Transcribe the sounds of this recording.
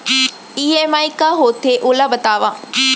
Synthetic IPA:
iːeːmaːikaɦoːt̪ʰeʔʊlabɐt̪aːʋaː

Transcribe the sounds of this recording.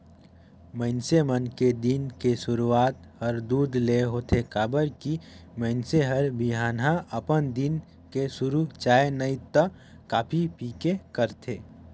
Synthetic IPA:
mə̃ɪnsemənked̪inkeʃʊɾuaːt̪hɐɾd̪uːd̪leɦoːt̪ʰekaːbəɾkimə̃ɪnseɦəɾbiɦaːnɦãʔɐpənd̪ɪn | kesʊɾut͡ʃaːenəit̪ə | kaːpʰipiːkekəɾt̪ʰeː

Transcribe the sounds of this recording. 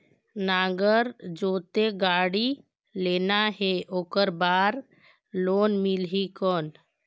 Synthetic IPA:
naːɡəɾd͡ʒoːt̪eɡaːɽi | leːnaɦeʔoːkəɾbaːɾ | loːnmɪlɦikɔːn

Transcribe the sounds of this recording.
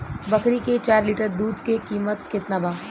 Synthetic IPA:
bɐkɾiket͡ʃaːɾliːʈəɾd̪uːd̪kekiːmət̪̚kɪt̪nabʱaː

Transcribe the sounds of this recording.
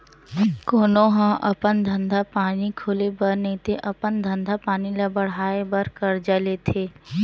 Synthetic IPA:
koːnõɦə̃ʔɐpənd̪ʱə̃nd̪ʱapaːnikʰoːlebəɾnəĩt̪eʔɐpənd̪ʱə̃nd̪ʱapaːnilabəɽ̤aːebəɾkəɾd͡ʒəlet̪ʰeː

